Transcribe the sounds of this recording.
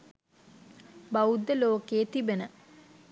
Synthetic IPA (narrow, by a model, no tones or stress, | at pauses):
baud̪ːəloːkeːt̪ibenə